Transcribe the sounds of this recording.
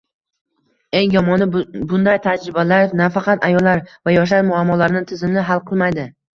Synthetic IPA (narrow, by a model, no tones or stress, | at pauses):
ejjɒmɒnɪbʊnd̪ajt̪ʰad͡ʒɾɪbalaɾnafɑqɑt̪ajɒlːaɾvajɒʃ̬laɾmʊamːɒlaɾɪnɪt̪ʰɪzɪmlɪɦalˠqʰɨlˠmajd̪ɪ